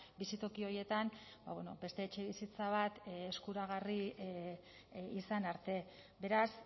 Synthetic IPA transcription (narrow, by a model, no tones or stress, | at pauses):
bisit̪o̞kio̞ɾje̞t̪amba̰βweno̞̰be̞st̪e̞ːt͡ʃe̞βisit͡saβ̞at̪eskuɾaɣ̞ari | isanaɾt̪e̞ | be̞ɾas